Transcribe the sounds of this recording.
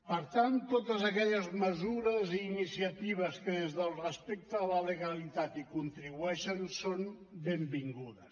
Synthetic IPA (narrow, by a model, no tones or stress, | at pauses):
pəɾt̪ant̪ːot̪əzəkɛʎəzməzuɾəziːnisiət̪iβ̞əskəðezðəlˠrəspek̚t̪əːləleɣəlit̪at̪ikunt̪ɾiβuɛʃənsonbembiŋɡuðəs